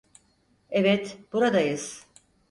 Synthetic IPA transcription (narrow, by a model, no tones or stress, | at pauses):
evɛt̪buɾad̪ajɯz̥